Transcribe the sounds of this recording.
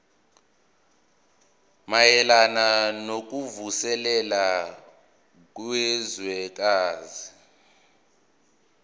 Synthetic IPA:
majɛlananok̬ʼuvusɛlɛla | k̬ʼwɛzwɛk̬aːzi

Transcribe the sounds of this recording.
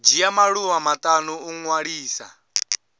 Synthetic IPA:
d͡ʒijamaɺuwamat̪ʼanuuŋwaɺiːsa̰

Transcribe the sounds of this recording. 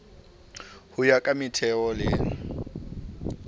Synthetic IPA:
hʊjakʼamɪtʰɛɔlɪŋ̩

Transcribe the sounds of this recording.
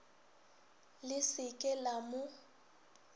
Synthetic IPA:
lɪsɪkʼɛlamʊ

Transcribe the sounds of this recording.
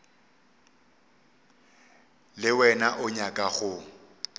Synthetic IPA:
lɪwɛnaʔʊɲakʼaɣʊ

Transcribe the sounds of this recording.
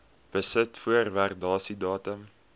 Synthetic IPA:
b̥əsətfuərværdɑːsidɑːtəm

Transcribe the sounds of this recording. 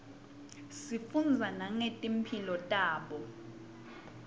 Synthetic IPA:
sifund͡zʱanaŋetʼim̩pʰilɔtʼaːɓɔ

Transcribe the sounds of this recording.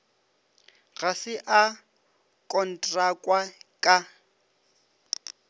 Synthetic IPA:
ɣasɪʔa | kʼɔn̩tʼrakʼwakʼa

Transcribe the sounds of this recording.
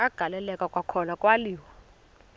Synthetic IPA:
aɡ̥ʱalɛlɛkʼakʼwakʰɔnakʼwaliːwɔ

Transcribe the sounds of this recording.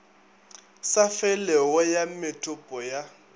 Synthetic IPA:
safɛlɛɔjamɪtʼʊpʼɔja

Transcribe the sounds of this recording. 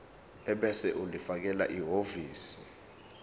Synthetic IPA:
ɛɓɛsɛʔulifak̬ɛla̰ʔiɦoviːsi̥

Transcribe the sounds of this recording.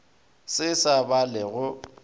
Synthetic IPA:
sɪsabalɛɣʊ

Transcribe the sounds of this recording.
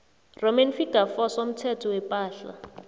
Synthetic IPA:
romɛnfikafɔsom̩tʰɛtʰɔwɛpʼaːɬa̰

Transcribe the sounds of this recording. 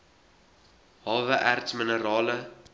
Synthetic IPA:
hɑːvəʔærtsmənəɾɑːlə

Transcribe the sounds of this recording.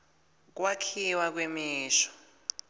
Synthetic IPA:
k̬wakʰiwak̬wemiːʃɔ̥

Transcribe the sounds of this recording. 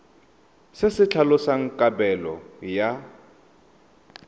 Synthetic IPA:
sɪsɪt͡ɬʰalʊsaŋ̩kʼabɛlɔ̰ja

